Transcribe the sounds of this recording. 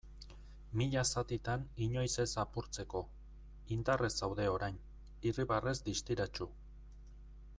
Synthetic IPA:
miʎasat̪it̪aniɲo̞jse̞sapuɾt͡se̞ko̞ | ind̪are̞sawðe̞o̞ɾajn | iriβare̞zd̪ist̪iɾat͡ʃu

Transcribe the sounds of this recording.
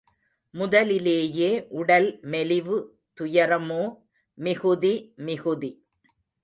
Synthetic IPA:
mʊðɐlɪleːjeːʔʊɽɐlmɛlɪʋɯ | t̪ʊjɐɾɐmoː | mɪɣɯðimɪɣɯði

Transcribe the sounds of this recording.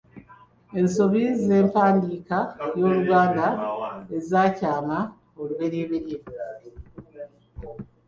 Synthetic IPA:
e̞nso̞βize̞ːmpaːndiːkajo̞ːluɡaːndaezaːcaːma | oluβe̞ɾeːβeɾeβi

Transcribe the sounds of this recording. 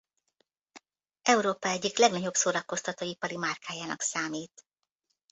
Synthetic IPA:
ʔɛuɾoːpɒɛɟːiklɛɡnɒɟo̞bsoːɾɒko̞st̪ɒt̪oːipɒɾimaːrkʰaːjaːnɒ̰ksaːmiːt̪

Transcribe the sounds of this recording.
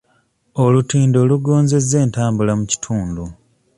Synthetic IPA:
o̞lutiːndo̞ːluɡo̞ːnze̞ze̞ːntaːmbulamuci̥tʰuːndu

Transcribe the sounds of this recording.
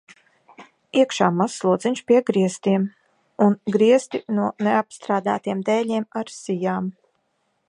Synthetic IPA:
iɛkʃaːmasːlˠuɔd̪ziɲʃpʲiɛɡɾiɛst̪iɛm | unɡɾiɛst̪inuɔneapst̪ɾaːd̪a̰ːt̪iɛmd̪ɛːlʲiɛmaɾsijaːm

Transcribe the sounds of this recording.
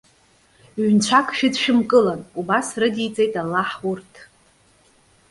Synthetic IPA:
ɥnt͡ɕʷʰakʰʼʃᶣɪdʃᶣɪmkʼɨlanubasrɨdit͡sʼe̞jtʼalːaħʊrtʰ

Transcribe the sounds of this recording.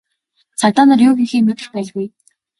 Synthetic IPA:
sʰart̪aːnə̆rjʊːxiŋxeːmet̪ɘ̆xpæːɮɣuj

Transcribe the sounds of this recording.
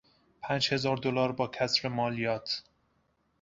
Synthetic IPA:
pʰæːnd͡ʒhe̞zɒːɾd̪olɒːɾbɒːkʰæsɾemɒːlijɒːt̪ʰ

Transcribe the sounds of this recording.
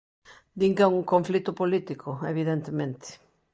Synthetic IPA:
d̪iŋkeŋuŋkõɱflit̪ʊpolit̪ikʰʊeβiðent̪emẽnt̪ɪ̥

